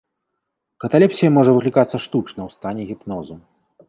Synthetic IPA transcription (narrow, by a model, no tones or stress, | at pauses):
kɐt̪alʲɛpsʲijɐmɔʐɐvɨklʲikat̪sːɐʂt̪ut͡ʂnɐwst̪anʲɛɣʲipnɔzu